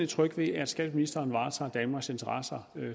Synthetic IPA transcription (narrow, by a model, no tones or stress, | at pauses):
e̥t͡sʰʁœɡ̥ʋe̝ææ̥sɡ̥ɛ̰ːd̥minisd̥ɐːnʋɑ̈ːt͡sʰɑ̰̈ːd̥ænmɑ̈ɡ̥se̝nt͡sʰɐʁɑsɐ